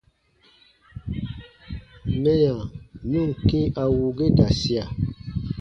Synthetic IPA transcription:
mɛ˦jã˨nu˦˨ŋ˨ke˦ʔa˨wu˨ɡe˦da˨si˦a˨

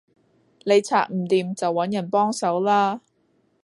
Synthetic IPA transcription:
ne˨˧jt͡sʰa̰ː˧k̚m̩˨˩t̪iː˨˧mt͡sɐ˨wːɐ˨˥njɐ˨˩npɔː˥ŋsɐ˨˥wlaː˥

